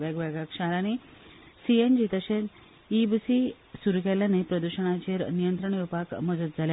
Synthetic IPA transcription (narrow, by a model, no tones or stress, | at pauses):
ʋaɡʋaɡakɕəɦɾañisiend͡ʑit̪əɕe | ibsi | suɾukaljanepɾəd̪uɕəɳ̃at͡ɕeɾnijənt̪ɾəɳjepakməd͡zət̪̚d͡zʱalja